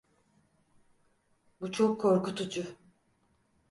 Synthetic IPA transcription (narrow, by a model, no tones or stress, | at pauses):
but͡ʃʰokʰːoɾkut̪ʰud͡ʒʊ